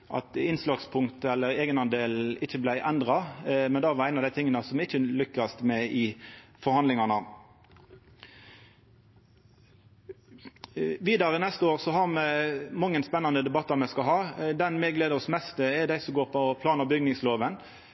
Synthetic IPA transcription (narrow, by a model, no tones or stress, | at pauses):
ʔɑ̰t̪ɪnslɑɡspʰʊŋt̪əɛlːəɾeːɡənɑnd̪eːlɪçːəblæɪʔɛnd̪ʁɑmɛnd̪ɑːʋɑɾæɪnɑʋd̪æɪɪŋːənəsɔmɪçːəlʏkːɑst̪mɛɪfɔɾhɑnd̪ɪŋɑnə | ʋiːd̪ɑɾənɛst̪əoːʁsɔɦɑʁmɛmɑŋːənspɛnːɑnəd̪ɛbɑt̪ːɑɾmɛskɑlɦɑːd̪ɛnmɛɡleːd̪əʁɔsmɛst̪əɛd̪æɪsɔmɡoːʁpʰɔpʰlɑːnəbʏɡnɪŋsloːʋən